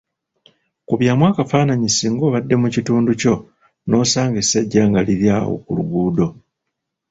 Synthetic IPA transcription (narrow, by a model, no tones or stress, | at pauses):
kuβjaːmwaːkafaːnaɲisiŋɡo̞ːβadːe̞mucituːnduco̞ | no̞ːsaːŋɡesaɟːaːŋɡaliɾjaːwo̰kṵlṵɡuːdo̞